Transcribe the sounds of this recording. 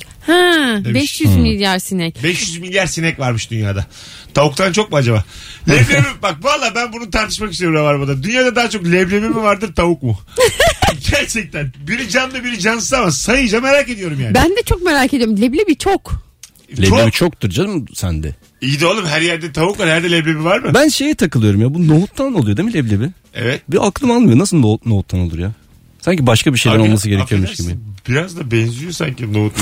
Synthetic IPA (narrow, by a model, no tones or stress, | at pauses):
hɛ̃bɛʃjyzmilʲjaɾsinɛcbɛʃjyzmilʲjaɾsinɛcvaɾmɯʃd̪ynja̰ːd̪a | t̪ʰaukt̪ʰant͡ʃʰo̞k̚muad͡ʒaba̰lʲɛblʲebibak̚baɾlˠaːbænbunut̪ʰaɾt̪ʰɯ̥ʃmakist̪ʰebiavaɾbud̪ad̪ynjaːd̪ad̪aːat͡ʃʰo̞klʲɛblʲebimivaɾd̪ɯɾt̪ʰaukmu | ɟæɾt͡ʃʰɛc̚t̪ænbiɾd͡ʒand̪abiɾd͡ʒansamasajɯd͡ʒame̞ɾaːce̞d̪ijo̞ɾumjaːnbænd̪ɛt͡ʃʰok̚meɾaːcʰed̪ioumlʲɛblʲebit͡ʃʰok | lʲeleβit͡ʃʰok̚t̪ʰuɾd͡ʒad̪ɯmsænd̪ɛ̰ | ijid̪iolˠumɦæɾjæɾd̪ɛt̪ʰaβukvaɾhæɾd̪ɛlʲɛblʲebivaɾmɯbænʃejɛt̪ʰakɯlˠɯjo̞ɾumjaːbunoɦut̪ʰlˠano̞lˠujod̪emilʲeblʲebi | ɛ̰vɛt̪̚biʔaklˠɯmalˠmɯjo̞nasɯlˠnonoɦut̪ʰːano̞lˠuɾja | saɲcibaʃkabiʃe̞jlʲɾnolˠmas̬ɯɟeɾecʰijoɾmuʃɟibɪbiɾazd̪abɛnzyjosa̰ɲcinoɦut̪